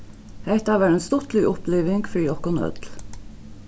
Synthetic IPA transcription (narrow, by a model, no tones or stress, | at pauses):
hæɪt̪ɑːʋæɾeːnst̪ɔt̪lɪʔʊpleːʋɪŋɡfɾiːɔkɔnœ̰d̪l